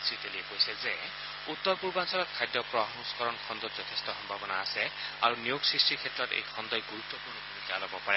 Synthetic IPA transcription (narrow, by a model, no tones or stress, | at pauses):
sɹit̪eliepojsɛze | ut̪ːɔɹpuɹbansɔlɔt̪̚kʰajd̪jɔpɹɔɦɔnuskɔɾɔnkʰɔnd̪ɔtzɔt̪ʰest̪ɔxɔmbʱabɔnaːsɛa̰ɹunijoɡsɹisʈikʰetːɹɔt̪ḛjkʰɔnd̪ɔjɡuɹut̪ːɔpuɹnɔpuɾikialɔbɔpaɹɛ